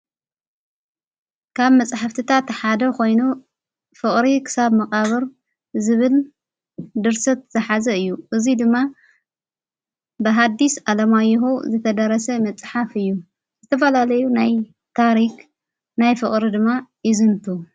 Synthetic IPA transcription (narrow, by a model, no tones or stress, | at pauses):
kʰaβmɐt͡sʼħaft̪ʰɨt̪ʰat̪ħad̪ɐko̞jnu | fɨkʼɾikʰɨ̥saβmɐqʼaβɨɾ | zɨβɨl | d̪ɨɾsɐt̪̚z̥ɐħazɐɨjːuʔɨzid̪ɨmːa | bɐɦad̪ːisʔalɐmajːɦuzɨt̪ʰɐd̪ɐɾɐsɐmɐt͡sʼħafɨjːu | z̥ɨt̪ʰɐfɐlalɐjunaj | t̪ʰaɾik | najfɨkʼɾid̪ɨmːajɪzɨnt̪ʰu